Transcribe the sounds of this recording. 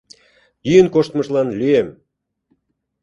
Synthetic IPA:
jyjənkoʃt̪məʃlɑnlyem

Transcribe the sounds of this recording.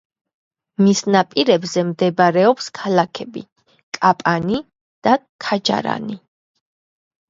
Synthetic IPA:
misnapʼiɾɛbzɛmd̪ɛbaɾɛɔpskʰalakʰɛbḭ | kʼapʼani | d̪̥akʰad͡ʒa̰ɾa̰ni

